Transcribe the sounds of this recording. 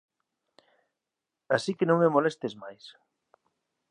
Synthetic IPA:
asikenõŋemolest̪ezmajs

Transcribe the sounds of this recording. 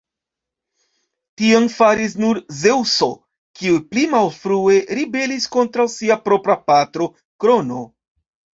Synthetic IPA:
tionfaɾis̬nuɾze̞wso̞ | kiujplimalfɾue̞ɾibe̞lisko̞ntɾawsiapɾo̞pɾapatɾo̞ | kɾono̞

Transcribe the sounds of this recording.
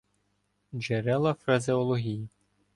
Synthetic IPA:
d͡ʒɛɾɛlˠɐfɾɐzeɔlˠɔɦʲiji

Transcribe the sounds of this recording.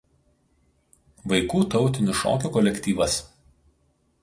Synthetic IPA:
ʋɐɪkuːt̪ɒʊt̪ʲɪnʲʊʃo̰ːkʲuːˑkɔlʲɛkʲt̪ʲiːʋɐs

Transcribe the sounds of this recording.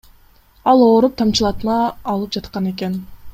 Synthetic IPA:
ɑlˠo̞ːɾup̚t̪ʰɑmt͡ʃɯlˠɑt̪nɑːlˠɯp̚d͡ʒɑt̪qɑne̞k̬e̞n

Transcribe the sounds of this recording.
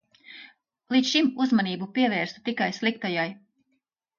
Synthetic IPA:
lˠiːt̪ʃimuzmaniːbupiɛvɛːɾst̪u̥t̪ikajslˠik̚t̪ajaj

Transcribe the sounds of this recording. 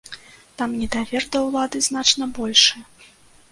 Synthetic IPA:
t̪amnʲɛd̪avʲɛrd̪ɐwlˠad̪ɨznat͡ʂnɐbɔlʲʂɨj

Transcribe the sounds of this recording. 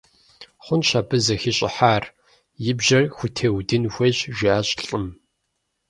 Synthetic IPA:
χʷʊnɕɐbɨzɐxiɕʼɪ̰ħaːr | jɪbʑɐrxʷʊtʰeːwdɨnxʷeɕʒʷiaːɕʼɬʼɨm

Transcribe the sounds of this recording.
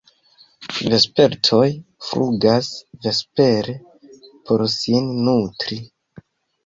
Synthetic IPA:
ve̞spe̞ɾtʰo̞jfɾuɡasve̞spe̞ɾe | pʰo̞ɾsinːutɾi

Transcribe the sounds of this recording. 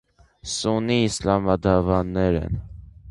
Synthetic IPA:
suniːslɑmɑd̪ɑvɑnːɛɾɛ̰n

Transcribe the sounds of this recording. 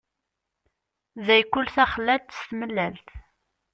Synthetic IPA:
ðæjkːulθæχəlːæt̪ːə̥st̪məlːælt̪

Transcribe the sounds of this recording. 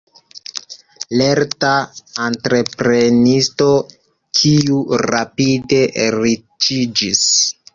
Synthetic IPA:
le̞ɾtaːntɾe̞pɾe̞nisto̞ | tʰiuɾapide̞ɾit͡ʃid͡ʒis

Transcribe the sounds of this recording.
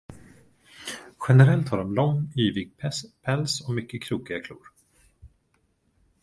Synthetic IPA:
ɧɛnɛɾɛlt̪haɖɔmlɔŋːyːvɪɡ̚pʰɛspʰɛlsɔmʏkːəkʰɾuːkɪɡakʰlṵːɾ

